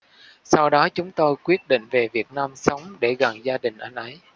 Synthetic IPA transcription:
sa˧wɗɔ˨˦t͡ɕʊ˨˦ŋ͡mt̪o˧jkwi˦˥ət̚ɗḭ̈˧˨ŋ̟ve˨˩vi˨˩ət̚naː˧msə˨˦wŋ͡mɗe˧˩ɣə˨˩ŋzaː˧ɗï˨˩ŋ̟ʔa˧jŋ̟ʔə˨˦j

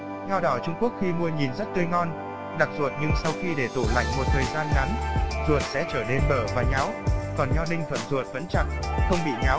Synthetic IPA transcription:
ɲa˧wɗɔ˨˦t͡ɕʊ˧ŋ͡mku˦˥ək̚xi˧mu˧əɲi˨˩nzə˦˥t̚t̪ɨ˧əjŋɔ˧n | ɗa˨˩k̚zu˨˩ət̚ɲɨ˧ŋsa˧wxi˧ɗe˧˩t̪ṵ˧˨la̰˧˨jŋ̟mo˨˩t̚t̪ʰəː˨˩jzaː˧nŋa˨˦nzu˨˩ət̚sɛ̰˧˥t͡ɕəː˧˩ne˧nɓəː˧˩vaː˨˩ɲa˨˦wkɔ˨˩nɲɔ˧ɗï˧ŋ̟t̪ʰə˧˩nzu˨˩ət̚və˨˦nt͡ɕa˨˩t̚xə˧wŋ͡mɓḭ˧˨ɲa˨˦w

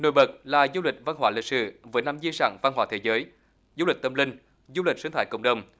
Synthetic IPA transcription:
no̰˧˨jɓə˨˩t̚laː˨˩zu˧lï˨˩k̟̚va˧nɦwaː˨˦lï˨˩k̚sɨ̰˧˨˩vəː˨˦jna˧mzi˧sa̰ː˧˨ŋva˧nhɦwaː˨˦˩t̪ʰe˨˦zəː˨˦j | zu˧lï˨˩k̚t̪ə˧mlï˧ŋ̟ | zu˧lï˨˩k̟̚sɨː˨˧˦ŋt̪ʰaː˧˩jkə̰˧˩wŋ͡mɗə˨˩wŋ͡m

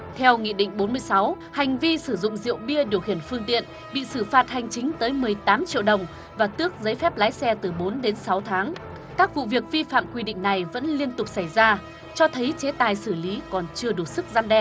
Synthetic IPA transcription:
t̪ʰɛ˧wŋḭ˧˨ɗḭ˧˨ŋ̟ɓo˨˦nmɨ˧əjsa˨˦w | ha˨˩jŋ̟vi˧sɨ˧˩zʊ̰˧˨ŋ͡mzḭ˧˨əwɓi˧əɗi˧˩əwhi˧˩ənfɨ˧əŋt̪ḭ˧˨ən | ɓḭ˧˨sɨ˧˩faː˧˩t̚ha˨˩jŋ̟t͡ɕï˨˦ŋ̟t̪əː˨˦jmɨ˨˩əjt̪aː˨˦mt͡ɕḭ˧ə˨wɗə˨˩wŋ͡m | vaː˨˩t̪ɨ˦˥ək̚zə˨˦jfɛ˦˥p̚laː˨˦jsɛ˧t̪ɨ˨˩ɓo˨˦nɗe˨˦nsa˨˦wt̪ʰaː˨˦ŋ | kaː˦˥k̚vṵ˧˨vi˨˩ək̚vi˧fa̰ː˧˨mkwi˧ɗḭ˧˨ŋ̟na˨˩jvə̰˧˥nli˧ənt̪ʊ˨˩k͡p̚sa˧˩jzaː˧ | t͡ɕɔ˧t̪ʰə˨˦jt͡ɕe˨˦t̪aː˨˩jsɨ˧˩li˨˦kɔ˨˩nt͡ɕɨ˧əɗu˨˩t̚sɨ˦˥k̚zaː˧mɗɛ˧˩

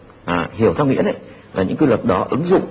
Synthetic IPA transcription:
ʔaː˨˩hi˧˩əwtt͡ɕʰa˧wŋḭ˧˥ənʔə˧˦j | laː˨˩ɲɨ̰˧˥ŋkɨ˧lwə˨˩t̚ɗɔ˨˦ʔɨ˨˦ŋzʊ̰˧˨ŋ͡m

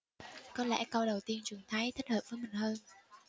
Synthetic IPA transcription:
kɔ˨˦nlɛ̰˧˥kə˧wɗə˨˩wt̪i˧ənt͡ɕɨ˨˩əŋt̪ʰaː˨˦jt̪ʰə˦˥t̚həː˨˩p̚vəː˨˦jmï˨˩ŋ̟həː˧n

